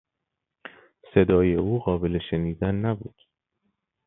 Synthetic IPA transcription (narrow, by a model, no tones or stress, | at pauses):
se̞d̪ɒːje̞uːɣɒːbe̞le̞ʃeniːd̪ænːæbuːd̪̥